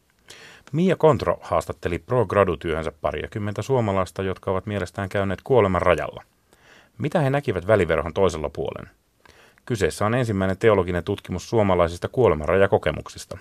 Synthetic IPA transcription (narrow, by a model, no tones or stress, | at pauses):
miːjɑko̞nt̪ro̰hɑːst̪ɑt̪ːe̞liproɡrɑdut̪yøhønsæpːɑ̰ɾḭjɑ̰kymːent̪æsuomɑlɑist̪ɑjo̞t̪kʰɑo̞ʋɑt̪mie̞lest̪æːŋkæyne̞ːt̪kuo̞lemɑrrɑjɑ̰lːɑ̰ | mit̪æhe̞nækiʋæt̪ʋæliʋe̞rhont̪o̞iselːɑpuolḛn | kyse̞ːsːæo̞ne̞nsimːæine̞nt̪e̞olo̞ɡine̞nt̪ut̪k̟imussuomɑlɑisist̪ɑkuo̞lemɑrɑjɑko̞ke̞̰mṵksist̪ɑ